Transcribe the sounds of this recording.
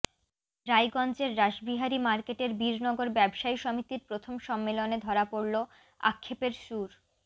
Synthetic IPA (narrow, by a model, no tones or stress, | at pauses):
ɾajɡɔnt͡ɕeɾːaʃbiɦaɾimaɾkeʈeɾbiɾnɔɡoɾbɛbʃaiʃɔmit̪iɾpɾot̪ʰomʃɔmːeloned̪ʱɔɾapoɾlo | a̰kʰːepeɾʃuɾ